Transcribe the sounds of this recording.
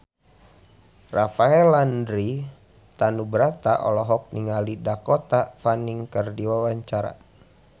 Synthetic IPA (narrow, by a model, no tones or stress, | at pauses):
rafaɛlandɾi | t̪anubəɾat̪aʔɔ̰lɔɦɔk̚niŋalidakɔt̪afaniŋkərdiwawaɲt͡ʃaɾa̰